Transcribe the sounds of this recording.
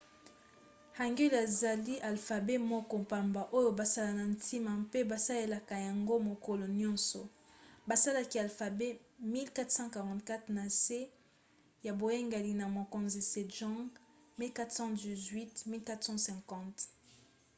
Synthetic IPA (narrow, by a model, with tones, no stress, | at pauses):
ha˨ŋɡɛ˦la˨za˨li˦ʔa˨lfa˨be˦mɔ˦kɔ˦mpa˨mba˨ʔo˦jo˦ba˨sa˦la˨na˨ntʰi˦ma˨mpe˦ba˨sa˦le˨la˨ka˨ja˨ŋɡo˦mo˨ko˨lɔ˨njɔ̃˦nsɔ˨ | ba˨sa˦la˨ki˨a˨lfa˨be˦mi˦lka˦tsɑ̃˦ka˨ʁɑ̃˨tka˦tχna˨se˦ | ja˨bo˨je˦ŋɡa˨li˨na˨mo˨ko˨nzi˨se˨ʒɔ̃˦ɡ | mi˦lka˦t̪sɑ̃˦di˨zwi˦tmi˦lka˦tsɑ̃˦sɛ̃˨ŋkɑ̃˦t